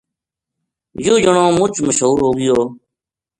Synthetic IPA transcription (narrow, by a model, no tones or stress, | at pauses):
joːd͡ʒəɳõːmʊt͡ʃməʃɦuːɾɦoːɡɪjoː